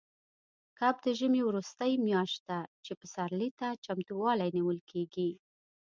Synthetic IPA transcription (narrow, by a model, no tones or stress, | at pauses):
kab̚d̪əʒəmewɾust̪əjmjɑʃt̪̚d̪at͡ʃepəsaɾlit̪at͡ʃamt̪uwɑlajniwəlkʰeɡi